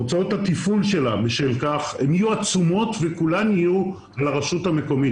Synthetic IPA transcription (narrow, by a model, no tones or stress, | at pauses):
t͡sao̞t̪hat̪ifulʃe̞labeʃelkaχemijuat͡sumo̞tvekulaniju | alaʁaʃuthame̞ko̞mi